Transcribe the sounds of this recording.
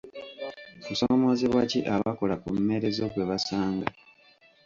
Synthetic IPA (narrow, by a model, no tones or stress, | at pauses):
kusomo̞ziβwaciʔaβako̞lakumume̞ɾe̞zo̞ɡwe̞βasaːŋɡa